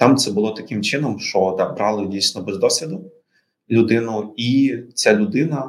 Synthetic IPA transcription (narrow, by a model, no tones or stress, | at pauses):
t̪ɑmt̪sɛbʊlˠɔt̪ɐkɪmt͡ʃɪnɔmʃt͡ʃɔd̪ɑbɾɑlˠɪdʲijsnɔbɛzd̪ɔsʲʋʲid̪ʊ | lʲʊd̪ɪnʊit͡sʲalʲʊd̪ɪnɐ